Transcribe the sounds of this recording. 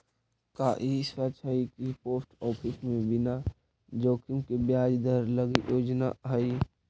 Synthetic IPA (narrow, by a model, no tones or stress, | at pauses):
kaːʔisat͡ʃʰəikipoːsʈɔːpʰɪsmẽbɪna | d͡ʒoːkɪmkebjaːd͡ʒd̪əɾləɡijʔoːd͡ʒna̰ɦəi